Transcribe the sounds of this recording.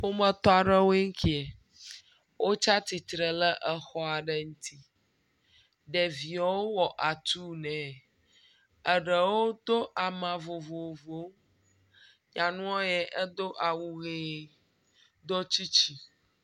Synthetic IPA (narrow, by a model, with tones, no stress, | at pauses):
ɸo˦mə̃˦t̪ɔ˦a˨ɖə˦wo˦e˦ŋ̩˦kʰi˦ɛ˨ | wʔo˦t͡ʃa˦t̪i˨t̪ɾə˨lə˦ʔə˨xɔ˦a˨ɖə˨ŋũ˦t̪ʰi˦ | ɖɛ˨vi˨a˨˦wo˦wɔ˨ʔa˨t̪u˦nɛ̃˨ | ə˨ɖə˨wo˦d̪o˦ʔa˨mã˨vo˨vo˨vo˨˦ | ɲã˨nũ˦o˦jɛ˦ʔə˦d̪o˦ʔa˨wu˨ɣe˨ | d̪ɔ˦t͡ɕi˦t͡ɕi˦